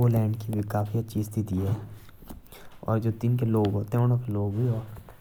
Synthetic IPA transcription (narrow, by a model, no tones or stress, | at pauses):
olɛ̃ːɳɖkibʱikaːfiɐtːʃʰiɪst̪ʰit̪iɦɛː | ɔ̰ːɾd͡ʒoːt̪inkeloːɡɦoːt̪eoñõkeloːɡbʱiɔː